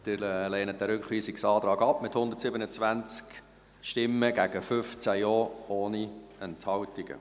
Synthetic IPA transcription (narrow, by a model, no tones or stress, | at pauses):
d̥̪ɪɾɛleːnət̪̚dɛɾʏkχʋiːsɪksɑːt̪ɾɑːɡɑpːmɪthʊnd̪ətsɪbənət͡svænt͡sk | ʃtɪmːəɡæɡəfʏft͡sæjoːoːniɛnthɑwtɪɡ̥ə̰